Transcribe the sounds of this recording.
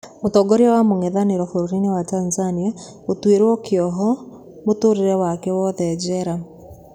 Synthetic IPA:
motɔɡoɾeɔwamoŋɛðaneɾɔfoɾoɾinewatanzania | otweɾwɔkeɔɦɔ | motoɾeɾɛwakɛwɔðɛd͡ʒɛɾa

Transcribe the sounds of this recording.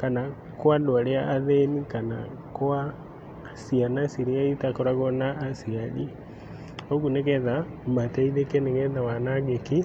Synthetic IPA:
kana | kwadwaɾeaʔaðɛnikana̰ | kwa | sianasiɾiaitakɔɾaɣɔnaːsiani | ɔɣunɛkɛðamatɛiðɛkɛnɛɣɛðawanaɣɛki

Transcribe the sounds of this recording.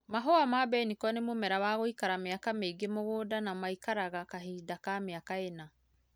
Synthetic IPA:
maɦɔamabɛnikɔnemomɛɾawaːɣoikaɾameakameɡemoɣodanamaikaɾaɣakaɦiːdakameakaena

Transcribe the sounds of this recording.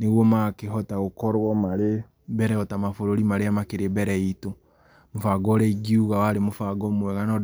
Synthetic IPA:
neɣwɔmakeɦɔtaɣokɔɾwɔmaɾe | bɛɾɛhɔtamafoɾoɾimaɾeamakeɾebɛɾɛito | mofaɡɔɾɛiɡiuɣawaɾemofaɡɔmwɛɣanɔd

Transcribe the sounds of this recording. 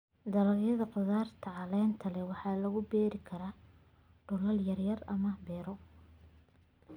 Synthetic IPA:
d̪ɐlɐɣjɐðɐqʊðaːrt̪ʰɐʕɑlɛːnt̪ʰɐlɛwɑħɑːlɐɣʊbɛːɾɪkʰɐɾaː | ɖ̥ʊlɐljɐrjɐrɐmɐbɛːɾɔ

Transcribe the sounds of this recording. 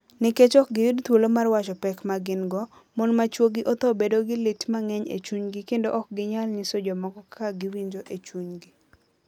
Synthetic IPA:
nɪket͡ʃɔk̚ɡɪjudt̪wolomarwat͡ʃɔpɛkmaɡɪnɡɔ | mɔnmat͡ʃwoɡɪʔɔt̪ɔbedoɡɪlɪtmaŋɛɲḛt͡ʃuɲɡikendoʔɔk̚ɡɪɲalnɪsod͡ʒomɔkɔkʰaɡɪwiɲd͡ʒoʔet͡ʃwuɲɡi

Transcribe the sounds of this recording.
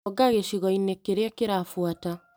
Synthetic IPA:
ɡaɣeʃiɣɔinekeɾeakeɾaːfwata

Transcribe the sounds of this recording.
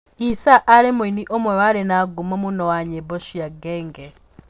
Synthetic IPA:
isaʔːɾemuiniʔomwewaɾenaɡumomunowaɲeboʃijaɡeːŋɡe

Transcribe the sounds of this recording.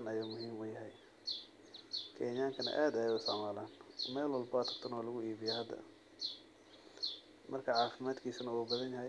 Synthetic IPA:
ɐnɐjaːmʊɦiːmɛjɐɦɛj | kʰɛːnjaːŋkʰɐnɐ̰ʔaːd̪ɐjɛʊsɐʕmaːlaːnmɛːlwɐlbɔt̪ʰɐ̥kt̪ʰɐnɔːlɐɣʊiːβɪjɛhɐd̪ɐ̰ | mʔɐrkʰɐʕɑːfɪmaːd̪kʰiːsɐnɐuːbɐðɐnjɐɦɛ

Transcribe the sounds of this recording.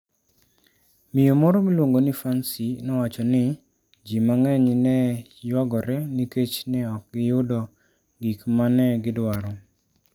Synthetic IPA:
mɪjomɔɾɔmilwoŋɡonifansinɔwat͡ʃɔnɪ | d͡ʒimaŋɛɲnɛjwaɡɔɾɛniket͡ʃnɛɔk̚ɡɪjʊdɔ | ɡikmanɛɡɪdwaɾɔ

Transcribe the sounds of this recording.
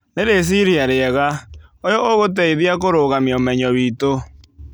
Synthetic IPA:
neɾes̬iɾiaɾeɛɣaojɔʔoɣot̬ɛiðiakoɾoɣamiɔmɛɲɔβiːto

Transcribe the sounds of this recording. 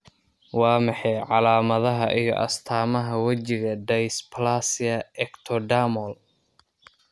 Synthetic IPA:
wɑːmɑħɛjʕɑlaːmɐðɐɦɐʔḭjɔ̰ʔɐ̰st̪ʰaːmɐɦɐwɐt͡ʃɪɣɐɖɐjspʰɐlasɪjɐɛkt̪ʰɔɖamɔl

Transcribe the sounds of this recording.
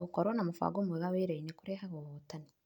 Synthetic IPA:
ukoɾonamufa̰ɡomuweɣaβeɾeinekuɾeɦaɣoβotani

